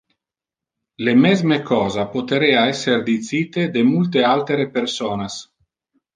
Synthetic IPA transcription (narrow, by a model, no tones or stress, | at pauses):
lemɛzmekɔːzapot̪eɾeːaɛsːerd̪it̪siːt̪ed̪emult̪ealt̪eɾepersoːnas